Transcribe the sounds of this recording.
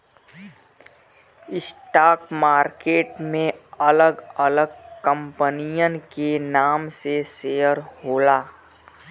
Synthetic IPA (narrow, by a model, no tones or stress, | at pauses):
ɪsʈaːkmaːɾkeːʈmẽɐləɡɐləɡkə̃mpənijənkenaːmsesejəɾɦoːlaː